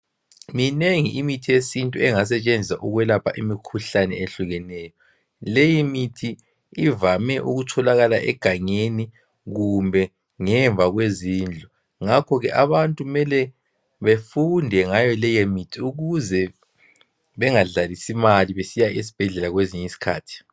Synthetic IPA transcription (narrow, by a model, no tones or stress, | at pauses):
mineŋiʔimitʰijesintʼuɛŋas̬ɛt͡ʃʼend͡zʱisaʔuɣwɛlapʰaʔimikʰuɬanɛ̰eɬuɣɛnɛːjɔ | lejimitʰi | ivamɛʔuɣutʰɔlaɣalaʔɛ̰ɡ̥ʱaŋeni | ɣumbʱɛ | ŋɛɱvʱaɣweziːnd͡ɮʱɔ | ŋakʰɔɣɛʔaβantʼuumɛlɛ | βefundʱɛŋajɔlɛjemitʰiuɣuzɛ | βɛŋaɮalisimaliβesijaʔis̬i̥b̥ʱɛɮɛlaɣweziɲisi̥kʰa̰ːtʰi̥